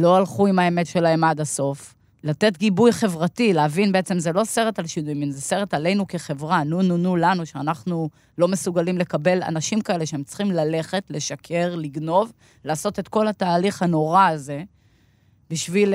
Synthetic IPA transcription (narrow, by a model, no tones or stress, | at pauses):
lo̞alχuimae̞me̞tʃe̞laemadaso̞f | late̞t̪ɡibujχe̞vʁatileavinbeet͡se̞mzelo̞se̞ʁe̞talʃinujiminzese̞ʁe̞tale̞jnukeχe̞vʁanununulanuʃeanaχnu | lo̞me̞suɡalimle̞kabe̞la̰naʃimkaele̞ʃeemt͡sχimlale̞χe̞tle̞ʃakʰe̞ʁliɡno̞v | laːso̞t̪e̞t̪ko̞lat̪aːliχhano̞ʁaːze̞ | biʃvil